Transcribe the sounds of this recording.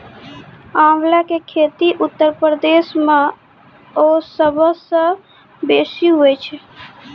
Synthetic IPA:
ãmlakekʰet̪iʔut̪ːəɾpɾəd̪esme | osəbʱəsə̃ | besiɦojt͡ʃʰɛ

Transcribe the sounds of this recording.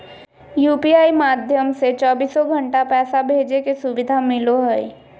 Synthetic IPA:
juːpiaːimaːd̪ʱjəmset͡ʃɔːbiːsːɔɡʱə̃ɳʈapɛːsabʱeːd͡ʒekesʊʋɪd̪ʱamɪloɦɛi

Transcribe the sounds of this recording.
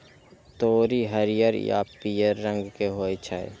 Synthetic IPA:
t̪oːɾiɦəɾijəɾja̰pijəɾːə̃ŋɡkeɦoːet͡ʃʰaḛ

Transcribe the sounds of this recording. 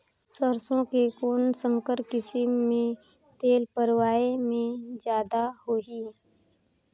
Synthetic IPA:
səɾsõkekoːnsə̃ŋkəɾkɪsimːẽ | t̪eːlpəɾwaːemẽd͡ʒjaːd̪aɦoːɦi

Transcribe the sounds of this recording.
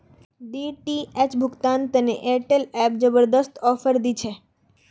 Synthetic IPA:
ɖiʈiet͡ʃbʱʊɡt̪ant̪ənḛʔeʈelɛp̚d͡ʒəbəɾd̪əst̪ɔfəɾd̪it͡ʃʰe

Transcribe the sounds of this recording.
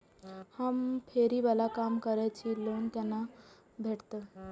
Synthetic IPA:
hampʰeɾiʋalakamkəɾajt͡ɕiːlont̪janːa | bʱeʈt̪ə

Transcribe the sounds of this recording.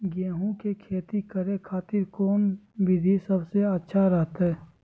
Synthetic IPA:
ɡeːɦũkekʰeːt̪ikəɾekʰaːt̪ɪɾkoːnʋɪd̪ʱisəbseətːʃʰaɾəɦət̪ɦɛː

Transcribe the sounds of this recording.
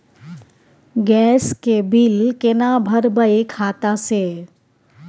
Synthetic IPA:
ɡɛːskebɪlkenabʱəɾbəekʰaːt̪ãse

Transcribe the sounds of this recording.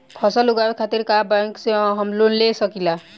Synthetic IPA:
bʰʱɔsɔluɡaɾkʰat̪iɾkabaŋksiɔ̃ɦɔmlunlesɔkila

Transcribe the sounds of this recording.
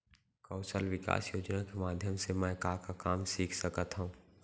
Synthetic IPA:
kɔʊsəlʋɪka̰ːsjoːd͡ʒnakemaːd̪ʱjəmsemɛ̃ːkaːkakaːmsiːkʰsəkət̪ɦũː

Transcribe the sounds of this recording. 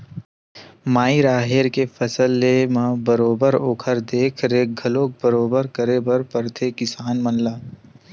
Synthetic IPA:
maːiɾaːɦeɾkefʰɐsəlːemãbəɾoːbəɾoːkʰəɾd̪eːkʰɾeːɡʱɐloːk̚bəɾoːbəɾkəɾebɐɾpɐɾt̪ʰekɪsaːnmənlaː

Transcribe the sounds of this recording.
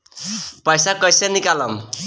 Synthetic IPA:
pʌjsakʌjsenikalʌm

